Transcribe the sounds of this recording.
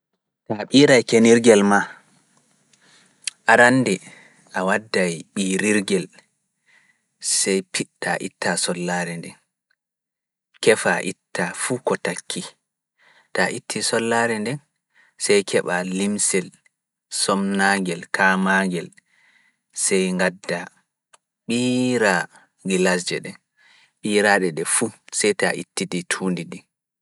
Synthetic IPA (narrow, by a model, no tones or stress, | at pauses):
taɓiːɾajkeniɾɡɛlma | ʔaɾanːdɛ | ʔawadːajɓiːɾiɾɡɛl | sɛjpitːaʔḭtːasɔlːaːɾɛndɛn | kɛfaʔitːafukɔtakʰːi | taʔitʰːisɔlːaɾɛndɛn | sɛjkʰɛɓalimsɛl | sɔmnaŋɡɛlkʰamaŋɡɛl | sɛjŋɡadːa | ɓiːɾa | ɡilas̬d͡ʒɛɗɛ | ɓiːɾaɗɛɗɛfusɛjtaʔḭtːiditʰuːndidi